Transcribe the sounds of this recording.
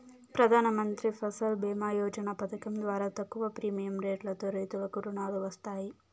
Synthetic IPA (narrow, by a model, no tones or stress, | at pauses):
pɾɐd̪ʱaːnɐmɐnt̪ɾipʰɐsɐlbɛːmaːjɔːd͡ʒɐnapɐt̪ʰɐkɐmd̪ʋaːɾaːt̪ɐkːuʋɐpɾiːmijɐmɾeːʈlɐt̪o̞ːɾɐjt̪uʋɐkuɾuɳaːluʋɐst̪aːji